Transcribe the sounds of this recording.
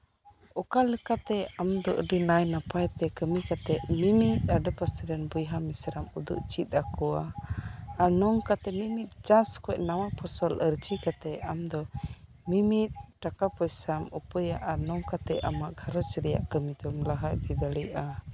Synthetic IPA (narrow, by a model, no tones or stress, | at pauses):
ɔkalɛkat̪ɛamd̪ɔʔəɖinajnapajt̪ɛkəmikat̪ɛʔmimit̪̚aɖəpasɾɛnbəjɦamisɾamud̪ṵʔt͡ʃit̪̚ˀakɔwaː | nɔŋkat̪ɛmimit̪̚d͡ʒaskɛʔnawapʰɔsɔləɾt͡ʃikat̪ɛamd̪ɔ | mimit̪̚ʈakapɔjsamupəjaʔanɔŋkat̪ɛʔamaʔɡʱaɾət͡ʃɾɛja̰ʔkəmid̪ɔmləɦajd̪id̪əɽia